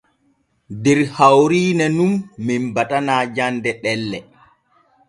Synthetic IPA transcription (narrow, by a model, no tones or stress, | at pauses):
dɛɾhawɾiːnɛnumːimbatanaːd͡ʒandɛɗɛlːɛ